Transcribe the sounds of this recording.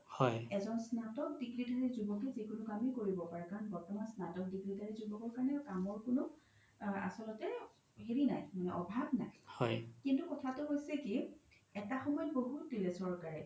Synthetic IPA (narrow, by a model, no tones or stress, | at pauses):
hɔjɛzɔnsnatɔk̚diɡɹidaɹizubɔkɛzikʊnʊkamikoɹibɔpaɹɛkaɹɔnbɔɹtɔmansnatɔk̚diɡɹidʱaɹizubɔkɔɹkaɹnɛkamɔɹkʊnʊ | a̰sɔlɔtɛ | ɦeɹinajmanɛʔɔbʱabna̰jhɔjkintukɔtʰatʊɦojsɛki | ɛtaxɔmɔjɔtboɦut̚dilɛsɔɹkaɹɛ